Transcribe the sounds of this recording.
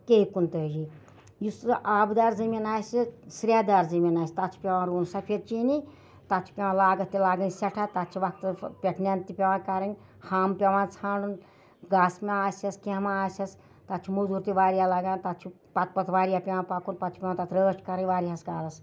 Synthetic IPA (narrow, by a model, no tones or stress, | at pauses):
keikunt̪əːd͡ʒi | jusʔaːbd̪aːɾzɨminaːsʲisɾʲjaːd̪aːɾzɨminaːsʲt̪ɐt͡ʃʰu̥pʲeʋãːɾuːnsɐpʰeɾt͡ʃini | t̪ɐt̪t͡ʃʰu̥pʲeʋãlaːɡɐt̪ːilaːɡənʲsɐʈʰat̪ɐt͡ʃʰiʋɐkt̪pʲeʈʰnʲant̪ipʲeʋãːkɐɾɐnʲ | haːmpʲeʋãt͡sʰãːɖun | ɡaːsmʲeaːsʲɐskemaaːsʲɐs | t̪ɐt̪t͡ʃʰumuzuɾt̪iʋaːɾijalaːɡãːnt̪ɐt̪t͡ʃʰu | pɐt̪̚pɐt̪ʰʋaːɾijapʲeʋãpakunpɐt̪t͡ʃʰi̥pʲewãːt̪ɐt̪ʰɾəːʃʈkɐɾənʲʋaːɾiɦaskaːɾɐs